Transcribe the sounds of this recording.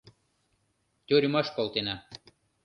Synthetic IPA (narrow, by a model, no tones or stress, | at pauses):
t̪ʲoɾʲmaʃkolˠt̪ena